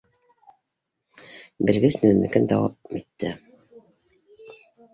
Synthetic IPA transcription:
bɘ̆lɡɘsmɘ̆nænːɘ̆kɘnd̪ɑwɑp̚it̪ːɘ

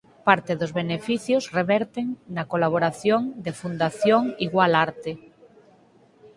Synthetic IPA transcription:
paɾt̪eðozβenefiθjozreβɛɾt̪eŋnakolaβ̞oɾaθjoŋd̪efund̪aθjoŋiɣwalaɾt̪e

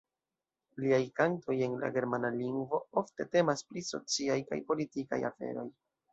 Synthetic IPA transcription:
liajkanto̞je̞nla̰ɡe̞ɾmanaliŋɡvo̞o̞fte̞te̞maspɾiso̞̰t͡siajka̰jpo̞litika̰ja̰fe̞̰ɾo̞j

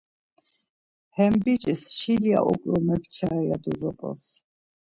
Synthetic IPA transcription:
hɛmbit͡ʃʼisʃilia̰ʔɔkʼlɔmɛkʰt͡ʃʰaɛjad̪uzɔpʼɔ̰s

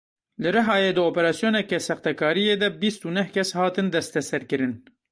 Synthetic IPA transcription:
lɨɾɨɦɑːjeːd̪ɨoːpɛɾɑːsijoːnɛkɛsɛxt̪ɛkʰɑːɾijeːd̪ɛbist̪unɛhkʰʲɛshɑːt̪ɨnd̪ɛst̪ɛsɛɾkɨɾɨn

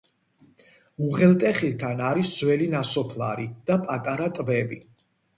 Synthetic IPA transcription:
uʁɛlt̪ʼɛχilt̪ʰanaɾisz̥wɛlinasɔpʰlˠa̰ɾid̪̥apʼat̪ʼaɾat̪ʼbɛbi

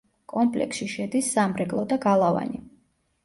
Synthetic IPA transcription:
kʼɔmpʼlɛ̰ksʃiʃɛd̪isːamɾɛkʼlˠɔd̪aɡalˠava̰ni

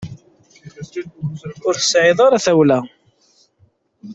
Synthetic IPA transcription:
ʊɾθə̥sʕɪðˤɑɾaθæwlæ

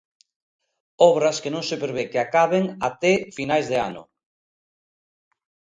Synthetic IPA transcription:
ɔβɾɐskenõŋsepeɾeβekeakaβeŋat̪ɛfinajzðea̰nʊ̰

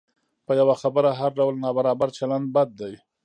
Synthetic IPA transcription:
pəjawaxabəɾaɦaɾɖawlnɑbaɾɑbaɾt͡ʃaland̪̚bad̪̚ːaj

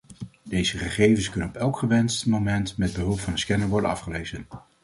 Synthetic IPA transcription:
d̥ejzəχəχejvənskɵnənɔpɛlˠkχəʋɛnstmomɛntmɛd̚bəɦɵlˠpfɑnəskɛnəɹʋɔɹdənɑ̰fχəlejzən

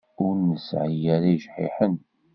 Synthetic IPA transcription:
ʊɾnəsʕəjæɾiʃħḭħən

